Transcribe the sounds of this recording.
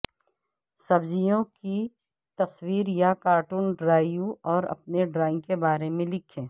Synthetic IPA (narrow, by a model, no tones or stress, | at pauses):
sɐbzijõki | t̪ɐswiːɾjakaːɾʈuːnɖɾaːjuɔːɾɐ̰p̚neɖɾaːɪ̃ŋkebaːɾemẽlɪkʰẽː